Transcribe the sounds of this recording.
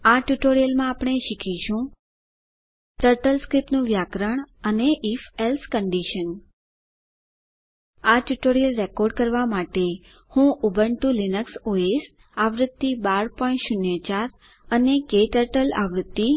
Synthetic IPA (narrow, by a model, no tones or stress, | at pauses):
aʈjuʈoɾijəlmãːpɳ̃eʃikʰiʃũ | ʈəɾʈəlskɾipnũʋjakɾəɳ̃əneʔifelskəɳɖiʃən | aʈjuʈoɾijəlɾekoɾɖkəɾʋamaʈe | hũʔubʱəɳʈulinəksoes | aʋɾəd̪ːibaɾpɔ̃ĩʈʃʊnjət͡ʃaɾ | ənekeʈəɾʈəla̰ʋɾəd̪ːi